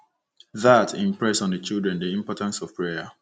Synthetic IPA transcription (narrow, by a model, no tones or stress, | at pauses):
ðatʰĩmpɹɛsɔ̃ndət͡ʃilˠdɹɛ̃ndiĩmpɔtãnsɔv̥pɹeə